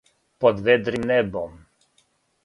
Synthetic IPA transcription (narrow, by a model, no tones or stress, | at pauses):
pɔd̪ʋɛd̪ɾimnɛbɔm